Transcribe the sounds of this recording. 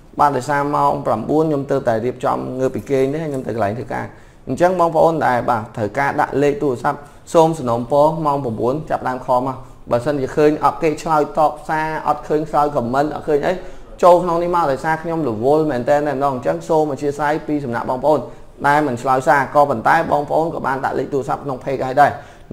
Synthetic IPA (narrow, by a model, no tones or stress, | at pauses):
ɓaːt̪ɗaɔjsaːmaɔŋpramɓuənɲomt̪əːp̚t̪aɛriəp̚t͡ɕɑ̰mŋəːp̚ːikeːnihajɲomt̪əwkəlajŋt̪ʰəka̰ː | ɲt͡ɕəŋɓɑːŋpə̆ʔoːnɗaɛlɓaːt̪ʰəwkaːɗa̰ʔleːk̚t̪uərəsap̚ | soːmsɑnoːmpɔːmaɔŋpramɓuənt͡ɕapːəɗaəmkʰɑːma | ɓaəsənt͡ɕiəkʰəːɲʔɑt̪̚keːt͡ɕʰlaɔjt̪ɑːp̚saːʔɑ̰t̪̚kʰəːɲt͡ɕʰlaɔjkɑmːənʔɑ̰t̚kʰəːɲʔə̰j | t͡ɕoːlkʰnoŋnihmaɔɗaɑɔjsaːkʰɲomlɔʋʊ̆əlmɛːnt̪ɛːnːaɛməɗɑːŋɲt͡ɕəŋsoːmʋat͡ɕʰiəsajpiːsɑmna̰ʔɓɑːŋpəʔoːn | ɗaɛlmɨnt͡ɕʰlaɔjsaːkɑːpont̪aɛɓɑːŋpə̆ʔoːnkɑːɓaːnɗa̰ʔlḛːk̚t̪uərəsa̰p̚kʰnoŋpʰeːk̚haːjɗaɛ